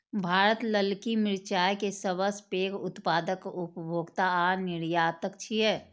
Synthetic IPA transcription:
bʱaːɾət̪ləlkimɪɾt͡ʃaːjkesəbəspeːkʊt̪paːd̪əkʊpbʱoːɡt̪aanɪɾjaːt̪əkt͡ʃʰiɛː

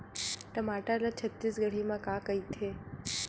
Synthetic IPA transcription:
ʈəmaʈalat͡ʃʰət̪ːisɡəɽ̤imãkãkəit̪ʰe

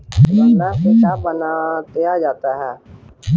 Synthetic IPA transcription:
mənaset͡ʃaːbənaːt̪eaːd͡ʒaːt̪aːɦɛː

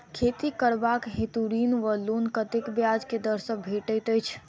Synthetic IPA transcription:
kʰet̪ikəɾbakɦet̪uɾinʋəlonkət̪ekbjad͡ʒked̪əɾsək̚bʱeʈəjt̪əjt͡ʃʰ

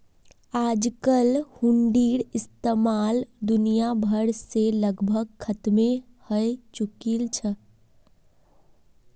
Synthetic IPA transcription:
ad͡ʒkəlhuɳɖiɾist̪əmald̪unijabʱəɾseləɡbʱəɡ̚kʰət̪me | həjt͡ʃukilt͡ʃʰə

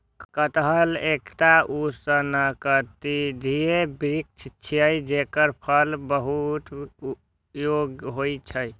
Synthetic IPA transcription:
kət̪ɦəlekʈaʔusənəkət̪id̪ʱiebɾik̚t͡ʃʰt͡ʃʰijəjd͡ʒekəɾpʰəlbəɦut̪ | joɡɦojt͡ʃʰəj

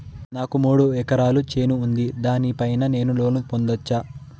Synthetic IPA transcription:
naːkumuːɽuɛkɐɾaːlut͡ʃe̞ːnuːnd̪id̪aːnipɐjnɐne̞ːnulo̞ːnupond̪ɐt͡ʃːaː

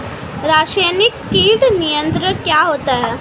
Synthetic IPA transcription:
ɾaːʃajnikːiːʈnijənt̪ɾəkjaːɦoːt̪aɦɛ

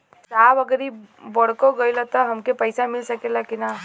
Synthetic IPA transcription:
sabəɡəɾibəɽkoɡəjlət̪əɦəmkepəjsamilsəkelakina

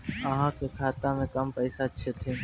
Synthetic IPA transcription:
əɦãkʰekʰaːt̪amẽkəmpəɪsat͡ʃʰet̪ʰeː

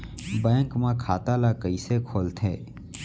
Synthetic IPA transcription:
bɛ̃ːŋkmãkʰaːt̪alakəisekʰoːlt̪ʰḛː

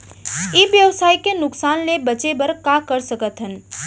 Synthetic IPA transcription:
ɪʋjəʋsaːikenʊksaːnlebət͡ʃebɐɾkakəɾsəkət̪ɦən

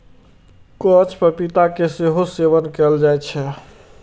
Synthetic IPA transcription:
kɔt͡ʃʰpəpit̪akeseɦoseʋənkɛld͡ʒaɛt͡ʃʰɛ

